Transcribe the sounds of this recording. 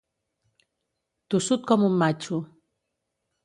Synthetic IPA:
t̪usut̪̚kʰʌmumːat͡ɕʰu

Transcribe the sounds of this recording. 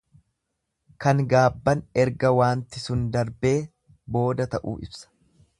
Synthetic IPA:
kɐŋɡaːbːɐnɛɾɡɐwaːnt̪ɪsʊnd̪ɐɾbe̞ː | bo̞ːd̪ɐt̪ɐʔṵːʔɪ̰bsɐ̥

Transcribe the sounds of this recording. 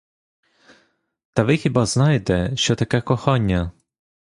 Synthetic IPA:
t̪ɐʋɪxʲibɑznɑjet̪ɛʃt͡ʃɔt̪ɐkɛkɔxɑnʲːɐ

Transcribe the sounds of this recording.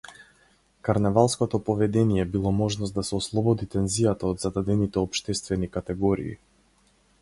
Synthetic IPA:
kaɾnɛvalˠskɔt̪ɔpɔvɛd̪ɛnijɛbilˠɔmɔʒnɔst̪d̪asɛɔslˠɔbɔd̪it̪ɛnzijat̪aɔd̪zad̪ad̪ɛnit̪ɛɔpʃt̪ɛst̪vɛnikat̪ɛɡɔɾḭː

